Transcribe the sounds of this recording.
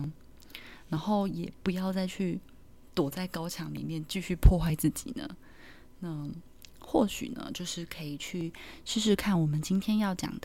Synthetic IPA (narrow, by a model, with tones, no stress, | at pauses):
na˧˥nxo˥˩ʊjɛ˨˩pu˨˦jɑ˥˧ʊt͡sa˥˧ɪt͡ɕʰy˥˩ | t̪wɔ˨˩t͡sa˥˩ɪkɑ˥ʊt͡ɕʰjɑ˧˥ŋlḭ˨˩mjɛ˥˧nt͡ɕi˥˧ɕy˥˧pʰwɔ˥˧xwa˥˧ɪt͡sɹ̩˥˩t͡ɕḭ˨˩nə̰˦ | na˥˧ | xwɔ˥˩ɕy̰˨˩nə̰˦t͡ɕjo˥˧ʊʂɻ̩˥˩kʰɤ˧˥i˨˩t͡ɕʰy˥˩ʂɻ̩˥˧ʂ̬ɻ̩˥˧kʰa˥˩nwɔ˨˩mə˨˦nt͡ɕi˥nt̪ʰjɛ˥njɑ˥˩ʊt͡ɕjɑ̰˨˩ŋd̪ə˦